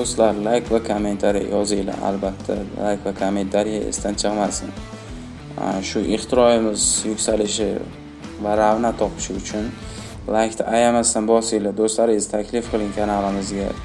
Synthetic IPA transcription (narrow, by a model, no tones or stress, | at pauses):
d̪ost̪laɾlˠajkʰvakʰome̞nt̪ʰaɾḭj̰jɒzɪjla̰a̰lbat̪ʰːalajkʰvakʰome̞nt̪ʰaɾija̰ḛst̪ʰant͡ʃʰɨqmasɪn̰ | ʃʊʔɪχt̪ʰɪɾɒjɪmɪzjʊkʲsalɪʃɪ̰ | vaɾavnat̪ʰːɒpʰɪ̥ʃɪʊt͡ʃʰʊn | lˠajkʲt̪ʰaʔajamast̪anbɒsɪjlad̪ost̪laɾɪɪzt̪ʰakʲlɪfqʰɨlˠɪŋkʲʰanalˠɪmɪzɡʲa̰